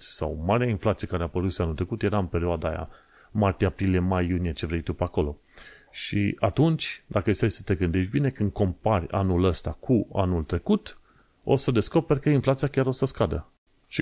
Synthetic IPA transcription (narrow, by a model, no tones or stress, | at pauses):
sa̰wmaɾeainflat̪sije̞kaɾeapəɾut̪sʲianult̪ɾe̞kut̪je̞ɾaɨmpe̞ɾioad̪a̰ːja̰ | mart̪iapɾilije̞majːunije̞t͡ʃe̞vɾe̞jt̪upako̞lo̞ | ʃḭat̪unt͡ʃʲd̪akəest̪ejsə̥t̪e̞ɡɨnd̪e̞ʃbine̞kɨnd̪̚ko̞mparʲa̰nuləst̪akʰua̰nult̪ɾe̞kut̪ | o̞̰səd̪e̞sko̞pe̞ɾʲkəinflat̪sijakʲaɾo̞səskad̪ə̰ | ʃi